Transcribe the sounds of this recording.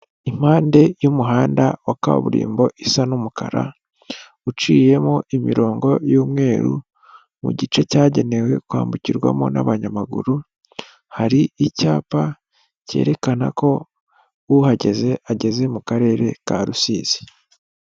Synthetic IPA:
im̥aːnde̞jumuɦaːndawaka̰β̰βṵɾḭːmbo̞ʔisanumuka̰ɾa̰ | ut͡ʃiːje̞moʔimiɾo̞ːŋɡo̞juːmŋe̞ːɾṵ | mṵɟit͡ʃe̞caːɟe̞ne̞we̞kuwha̰ːmbuciɾɡwa̰mona̰βaɲamaɡṵɾu | haɾiicaːpa | ce̞̰ːɾe̞kana̰ko̞ | uhaɟe̞zeʔaɟe̞ze̞mukaɾe̞ːɾe̞kaɾusiːz̥i̥

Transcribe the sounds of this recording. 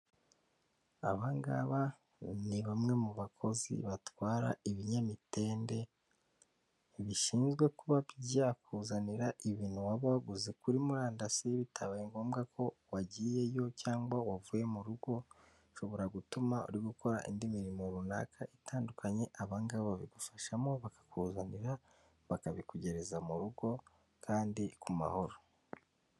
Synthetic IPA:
a̰βaŋɡa̰βa | niβamŋe̞muβakʰo̞zḭβatwaːɾa̰iβiɲamite̞ːnde̞ | βiʃiːnzɡwe̞kuβaβiɟakuzaniɾaʔiβiːn̥huwaβaɡuzikuɾimuɾaːndasiβitʰaβajeŋɡo̞ːmɡakʰo̞waɟiːje̞jo̞caːŋɡwawavuje̞muɾuɡo̞ | ʃo̞βo̞ɾaɡutumaṵɾiɡukʰo̞ɾa̰ʔḭndimiɾimo̞ɾuna̰kʰaʔitaːndukʰaɲe̞ʔaβaŋɡaββaβiɡufaʃamo̞βakḁkuːzaniɾa | βakaβikuɟe̞ɾe̞zamuɾuɡo̞ | kʰaːndikuma̰ho̞ɾo

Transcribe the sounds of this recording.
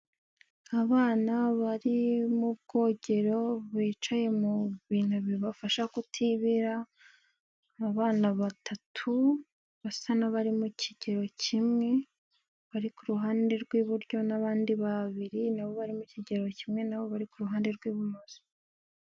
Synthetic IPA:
aβaːnaβaɾimubɡo̞ːɟe̞ɾo̞βiːt͡ʃaje̞muβiːn̥huβiβafaʃakutʰiβiɾa | βaːnaβatʰatʰu | βasanaβaɾimucʰiɟ̥e̞ɾo̞cʰimŋe̞ | βaɾikuɾuɦaːnde̞ɾɡwiβuɾɟo̞naβaːndiβaβiɾinaβo̞βaɾimuciɟe̞ɾo̞cimŋe̞naβo̞βaɾikuɾuɦaːnde̞ɾɡwiːβumoz̥i̥

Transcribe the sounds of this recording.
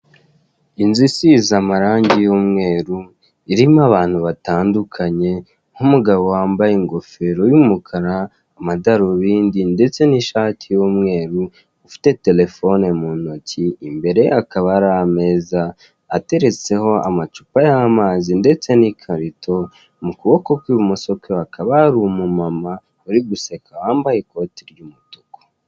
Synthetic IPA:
inzisizamaɾaːɲɟijoːmŋe̞ːɾu | iɾimaβaːn̥huβataːndukʰaɲe̞ | ŋhumuɡaβo̞waːmbajeŋɡo̞fe̞ɾo̞jumukʰaɾaː | madaɾoβiːndinde̞t͡se̞niʃaːtʰijoːmŋe̞ːɾuː | fi̥te̞te̞le̞fo̞nemunociːmbe̞ɾe̞akaβaɾame̞ːzaː | te̞ɾe̞t͡se̞ho̞a̰mat͡ʃu̥pajamaːzinde̞t͡se̞nikʰaɾitʰo̞ | mukuβo̞kokwiβumuso̞keakʰaβaɾumumama | uɾiɡuse̞kʰawaːmbajeko̞ːtiɾjumuto̥ko̥

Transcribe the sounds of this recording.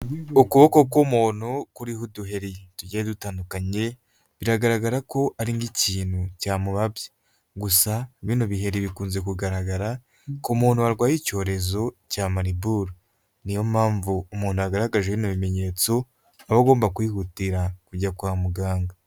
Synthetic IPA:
ukuβokokomun̥ukuɾihuduɦe̞ɾituɟeedutaːndukaɲe̞ | βiɾaɡaɾaɡaɾako̞ʔaɾiŋɡiciːnhucaːmuβabje | ɡusaβiːnoβiɦe̞ɾiβikuːnze̞kuɡaɾaɡaɾa | komuːn̥uaɾɡwaːjico̞ːɾe̞zo̞caːmaɾibuɾo | nijo̞maːɱvuːmuːn̥ujaɡaɾaɡaʒeβiːnoβime̞ɲe̞ːt͡so̞ | aβoɡo̞ːmbakwiːhutiɾakuɟakwaːmuɡaːŋɡa

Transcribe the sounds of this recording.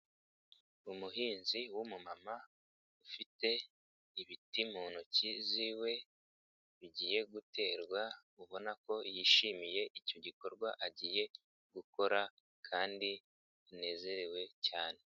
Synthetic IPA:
umuɦiːnziwumumama | ufite̞ | iβitimuːnuciziwe̞ | βiɟiːje̞ɡute̞ːɾɡwa | uβo̞nako̞jiːʃimije̞ʔico̞ɟiko̞ɾɡwaʔaɟiːje̞ | ɡ̥uko̞ɾa | kʰaːndi | ine̞ːze̞ɾe̞we̞caːne̞

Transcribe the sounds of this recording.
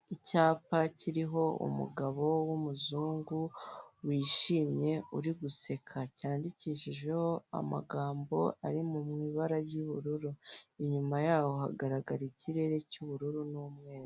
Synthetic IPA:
icaːpaciɾiɦo̞ṵmṵɡaβo̞wumuzuːŋɡuwiːʃiːmɲe̞uɾiɡuse̞kʰacaːndiciʃiʒwe̞hoa̰ma̰ɡaːmbo̞̰a̰ɾimumŋiːβaɾaɾjuβuɾuɾuiɲumajaːwo̞ɦa̰ɡaɾaɡaɾiciɾe̞ɾe̞cuβuɾuɾunuːmŋe̞ːɾa

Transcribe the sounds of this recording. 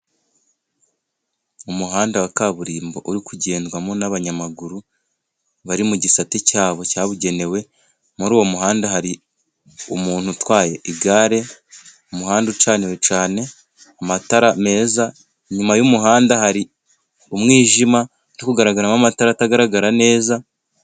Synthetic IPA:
umuɦaːndawakaβuɾiːmbo̞̰ʔuɾikuɟe̞ːndɡwamo̞naβaɲamaɡuɾu | βaɾimuɟisaticaːβo̞caːβuɟe̞ne̞we̞ | muɾuːwo̞muɦaːndaɦaɾi | umuːn̥hutwaːje̞ʔiɡaːɾe̞ | omuɦaːndut͡ʃaːnewet͡ʃaːne̞ | amataɾame̞ːza | ɲumajumuɦaːndahaɾi | umŋiːʒima | nokuɡaɾaɡaɾamamataɾataɡaɾaɡaɾane̞ːza

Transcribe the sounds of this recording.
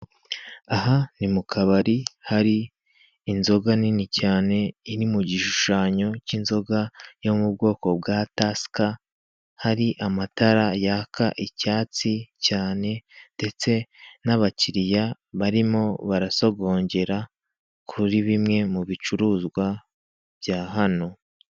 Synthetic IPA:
aɦanimukʰaβaɾihaɾiː | nzo̞ɡaninicaːne̞iɾimuɟiʃuʃaːɲo̞cinzo̞ɡajo̞mub̚ɡo̞ːko̞b̚ɡataska | haɾiʔamataɾajakʰaʔicaːt͡sicaːne̞nde̞t͡se̞naβaciɾija | βaɾimo̞βaɾaso̞ɡo̞ːɲɟe̞ɾa | kʰuɾiβimŋe̞muβit͡ʃuɾuːzɡwa | vjaːɦano̞

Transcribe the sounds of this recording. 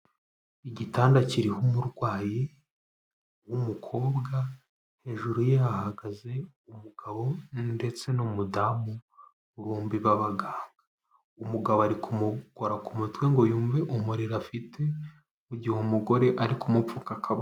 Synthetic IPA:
iɟitaːndaciɾihumuɾɡwaːji | wumukʰo̞ːbɡa | he̞ʒuɾujeahaɡaze̞ | umuɡ̥aβo̞nde̞t͡se̞nomudamu | ɾuːmbiβaβaɡaːŋɡa | umuɡaβoaɾikumuɡ̥oɾakumutwe̞ŋɡo̞juːɱve̞ʔumuɾiɾafitʰe̞ | uɟihumuɡo̞ɾe̞ʔaɾikʰumufukakʰaβ

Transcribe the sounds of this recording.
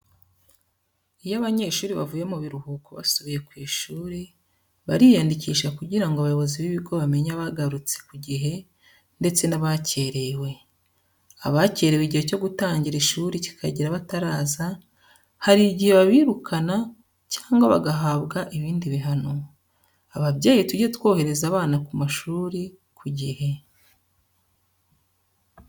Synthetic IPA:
ijaβaɲe̞ʃuːɾiβa̰vuːje̞muβiɾuhuːkoβa̰suβije̞kwiːʃuːɾi | βa̰ɾijandiciːʃakuɟiɾaŋɡoaβajoβo̞ziβiβiɡo̞βame̞ɲaβaɡaɾut͡se̥kuɟiɦe̞ | nde̞t͡se̞naβace̞ɾe̞we̞ | aβace̞ːɾeweɟihe̞co̞ɡutaːɲɟiɾiʃuːɾici̥kʰaɟiɾaβataɾaːza | haɾiɟihe̞βaβiːɾukʰana | caːŋɡoβa̰ɡaɦaβɡaʔiβiːndiβiɦano̞ | aβaβɟeːjituɟetwo̞ːhe̞ɾe̞zaːβaːnakumaʃuːɾi | kʰuɟihe̞

